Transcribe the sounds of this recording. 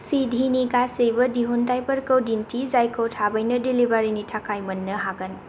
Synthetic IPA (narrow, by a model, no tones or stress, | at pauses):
sidʱinikasejbʌdiɦundajpəɾkəwdintʰizajkowtʰabʌjnʌdilibaɾinitʰakajmʌnːəɦaɡən